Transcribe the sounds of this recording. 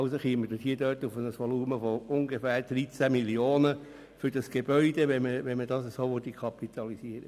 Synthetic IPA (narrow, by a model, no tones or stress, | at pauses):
ʊsoχiəməd̥əhiːdœːtufənəsʋɔluːməfoʊŋɡefæːrd̥ɾit͡sæmiljoːnə | fʏɾd̥ɑsɡ̥eb̥œʏd̥̪eʋɛməʋɛnmədɑːsəsoːʋod̪ikʰɑpit̪ʰɑlisiəɾə